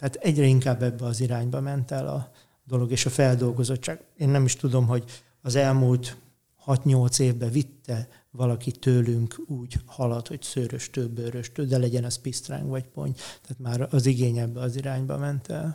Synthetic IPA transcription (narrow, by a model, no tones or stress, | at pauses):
t̪ɛaːt̪ɛɟrɛiŋkaːbːɛbːɛɒziɾaːɲbɒmɛnt̪ɛlɒ̰ | d̪o̞lo̞ɡeːʃɒfɛld̪o̞lɡo̞zo̞t͡ʃːaːɡ̥eːnːɛmiʃt̪ud̪o̞mɦo̞ɟ | ɒzɛlmuːlt̪ | hɒt̪ɲo̞lt̪seːvbɛvit̪ːɛ | vɒlɒkit̪øːlyŋkuːɟhɒlɒt̪ho̞csøːɾøʃt̪øːbøːɾøʃt̪øːd̪ɛlɛɟɛnɒspist̪ra̰ŋɡʋɒcpo̞̰ɲt̪ɛaːt̪maːɾɒziɡeːɲɛbːɛɒziɾaːɲbɒ̰mɛnt̪ɛl